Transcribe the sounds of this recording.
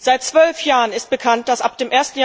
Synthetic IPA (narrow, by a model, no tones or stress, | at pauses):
z̥aɪt̚t͡sv̥œlfjaːʁənɪst̚b̥əkʰant̚d̥asʔap̚d̥eːmʔeːɐstn̩j